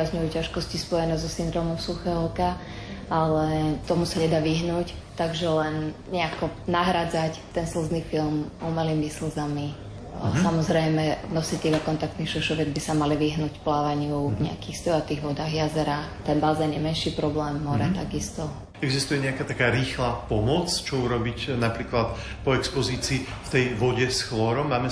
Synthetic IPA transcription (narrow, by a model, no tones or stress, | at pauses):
azɲujucaʃkɔscispɔjɛnɛːzɔsind̪ɾɔːmɔmsuxɛːɦɔka | alɛt̪ɔmusaɲɛd̪aːʋiɦnuːct̪aɡʒɛlɛn | ɲɛakɔnaɦɾad͡zact̪ɛnsl̩zniːfilmumaliːmisl̩zami | samɔzɾɛjmɛnɔsict̪ɛlakɔnt̪ak̚t̪nixʃɛʃɔʋjɛd͡zbisamaliʋiɦnuːcplaːʋaɲɪuvɲɛakiːxst̪ɔjat̪iːɣʋɔd̪aːɣjazɛɾaːxt̪ɛnbazɛːnjɛmɛnʃiːpɾɔblɛːmːɔɾɛt̪aɡist̪ɔ | ɛɡzist̪ujɛɲɛakat̪akaːɾiːxlaːpɔmɔt͡st͡ʃɔuɾɔbicnapɾiːklat̪ | pɔɛkspɔziːt͡siːft̪ɛjʋɔɟɛsxlɔɾɔmːaːmɛ